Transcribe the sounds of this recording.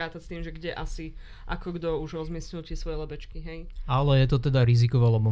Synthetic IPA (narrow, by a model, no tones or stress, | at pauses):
ɾaːt̪ast̪iːmʒɛɡɟɛʔasi | ʔa̰kɔɡd̪ɔuʒɾɔzmɪiɛsɲilt̪ɪɛsʋɔjɛlɛbɛt͡ʃkiɦɛjalɛjɛt̪ɔt̪ɛd̪aɾizikɔʋɛlɛbɔ